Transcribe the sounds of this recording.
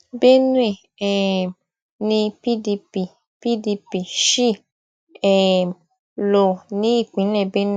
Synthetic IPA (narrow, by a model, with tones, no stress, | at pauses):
be˦nũ˦e˦˨ | ɛ˨ | nĩ˧pi˦di˧pi˨ | pi˦di˧pi˨ʃi˦˨ | ɛ˨ | lo˨nĩ˨˦i˦˨k͡pĩ˨˦lɛ˦˨be˦ñ˦˨